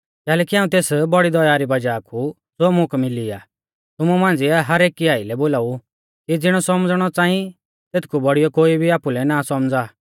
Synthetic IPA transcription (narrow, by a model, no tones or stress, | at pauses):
kɛːlɛːkiãːũt̪eːsbɔɽid̪ɔjaːɾibɐd͡ʒaːkʰu | d͡zoːmʊ̃kmɪliaː | t̪ʊmumãːnd͡ziɛɦɐɾeːkiaːilɛboːlaːu | kid͡zɪɽ̃ɔsɔmd͡zɽ̃ɔt͡sãːĩ | t̪eːt̪ʰkʰubɔɽijɔkoːibʱiaːpulɛnasɔmd͡zaː